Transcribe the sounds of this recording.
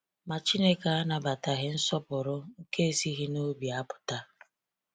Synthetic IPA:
ma˨t͡ʃi˦ne˦ka˨a˦na˨ba˨ta˨ɦɪ˦n̩˦sɔ˦pʊ˨ɾʊ˦ŋ̩˦ke˦e˦˨si˦ɦi˦no˦bja˦pʊ̥˨ta˦

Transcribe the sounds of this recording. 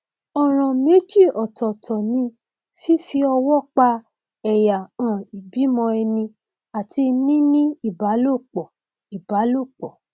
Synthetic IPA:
ɔ˨ɾ̃ã˨me˦d͡ʒi˦˨ɔ˨tʰɔ˨tʰɔ˨nĩ˧ | fi˦fi˧ɔ˧wɔ˦k͡pa˧ | ɛ˨ja˨ã˨i˨bi˨˦mɔ̃˧ɛ˧nĩ˧ | a˨ti˧nĩ˦nĩ˦i˦˨ba˨˦lo˦˨k͡pɔ˨ | i˨ba˨˦lo˦˨k͡pɔ˨

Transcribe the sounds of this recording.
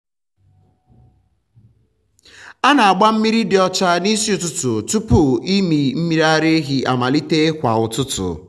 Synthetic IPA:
a˦na˨a˨ɡ͡ba˦m̩˦mi˦ɾi˦dɪ˨ɔ˦t͡ʃa˦ni˦si˦ʊ˦tʊ˦tʊ˨tu˦pʊ˨i˦mi˨m̩˦mi˦ɾa˦ɾe˦ɦi˦a˨ma˨li˦te˦kʷa̰˨ʊ˨tʊ˦tʊ̰˨

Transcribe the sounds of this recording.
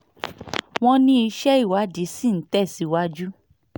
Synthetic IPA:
w̃ɔ̃˦nĩ˦i˧ʃɛ˦i˦˨wa˨˦di˨˦si˦˨n̩˨˦tɛ˦˨si˨˦wa˦d͡ʒu˦

